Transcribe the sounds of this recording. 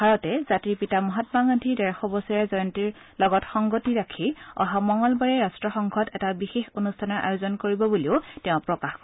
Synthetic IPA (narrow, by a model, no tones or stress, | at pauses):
bʱaɹɔtɛz̥atiɹpitamɔɦatmaŋantʰidɛɹxɔbɔsiɹɛzɔjɔntiɹ | lɔɡɔtxɔŋɡotiɹakʰiɔ̰ɦamɔŋɔlbaɹɛɹastɹɔxɔŋkʰɔtɛtabixexonustʰanɔɹʔa̰jozɔnkoɹibɔbuliʊtɛʊ̃pɹɔkaxkɔ